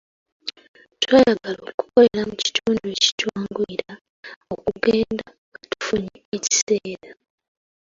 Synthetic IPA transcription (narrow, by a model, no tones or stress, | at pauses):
twaːjaɡaloːku̥ko̞le̞ɾamuci̥tuːndue̞ci̥cwaːŋɡuiɾa | okuɡe̞ːnda | katu̥fuɲikeci̥se̞ːɾa